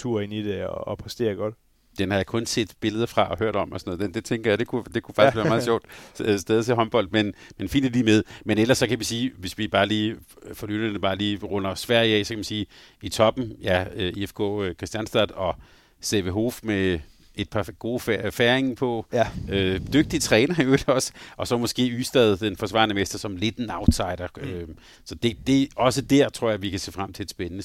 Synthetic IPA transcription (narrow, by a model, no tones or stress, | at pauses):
t͡sʰuɐ̰e̝nid̥eɒːpʰʁɛsd̥e̝̰ːɐɡ̥ɒd̥ | d̥enhɑjakʰɔ̽nse̝̰ːd̥b̥e̝ləð̞ˠɐfʁɑ̈ʔɒ̽ɦøɐ̰ɾ̥ɒ̽m̰ɒsɒnɔ̽ːð̥ˠed̥e̝t͡sʰeŋɡ̥ɐjad̥e̝kʰud̥e̝kʰu̥fɑ̈ɡ̥sʋæɐmɑ̈ð̩ˠɕɒ̰ʊ̰d̥sd̥eð̞ˠət͡sʰeɦɒ̽nb̥ɒ̽l̰d̥̚menmenfḭːnd̥æliːmeð̞ˠmenel̰ɐsːɒ̽kʰæʋisiːʋe̝sʋib̥ɑ̈ːliːfɒlyːd̥ɐ̥əb̥ɑ̈ːliːʁɔ̽nɐsʋæɐ̰jɛ̰ːsɒkʰæmænsiː | it͡sʰɒ̽b̥n̩jæøiefkʰɔ̰ːkʰʁɛsd̥jænsd̥æd̥ɒ̽ | seʋeɦo̝ːfme | e̝d̥̚pʰɑ̈ɡ̥o̝ːfæɐeŋpʰɒ̽ød̥øɡ̥̚d̥it͡sʰʁɛːnɐjoed̥ɒ̽sə̥ʔɒ̽sɒ̽mɒ̽sɡ̥e̝̰ːyːsd̥ɛð̞ˠd̥enfɒ̽sʋɑ̰̈ːnəmesd̥ɐsɒ̽mle̝d̥nɑ̈ʊ̥sɑ̈ɪ̰ɾ̥ɐø | sɒ̽d̥e̝d̥e̝ɒ̽səd̥æɐt͡sʰʁo̝ɐ̰jaʋikʰæse̝̰ːfʁam̰t͡sʰe̝ed̥sb̥enənə